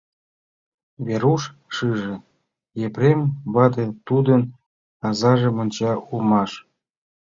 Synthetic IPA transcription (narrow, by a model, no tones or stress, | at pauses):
βeɾuʃ | ʃɨʒĕ | jepɾʲemβɑd̪ĕt̪ud̪ə̆n | ɑzɑʒĕmɤ̆nʲt͡ɕɑulmɑʃ